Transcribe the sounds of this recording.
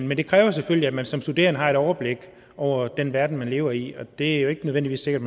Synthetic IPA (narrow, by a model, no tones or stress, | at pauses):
nmend̥e̝kʰʁɛːʊɐseføliæmænsɒ̽msd̥ud̥e̝ːɐnəɦɑ̈eɾ̥ɒʊɐb̥le̝ɡ̥ | ɒʊ̰ɐd̥enʋæɐd̥n̩mænle̝ːʊɐiɒ̽d̥e̝æɐjo̝e̝ɡ̥ənøðˠʋen̰diʋḭːse̝ɡ̥ɐd̥̚m